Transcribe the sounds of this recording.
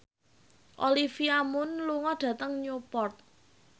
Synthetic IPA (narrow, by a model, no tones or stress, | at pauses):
ʔolifiamʊnluŋɔɖ̥ä̤t̪əŋɲopɔrt̪̚